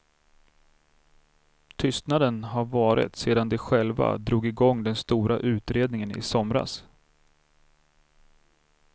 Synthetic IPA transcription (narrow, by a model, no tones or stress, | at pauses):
t̪ʰʏst̪nad̪ənɦaɾvɑːɾɪ̰t̪seːd̪and̪ɛɧɛlva̰d̪ɾuːɡɪɡɔŋːd̪ɛnst̪uːɾaʔʉ̟ːt̪ɾeːd̪nɪŋənɪ̰sɔmɾa̰s